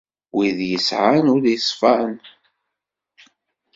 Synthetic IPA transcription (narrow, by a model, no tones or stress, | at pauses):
wiðjəsʕanʊɾjəsˤfan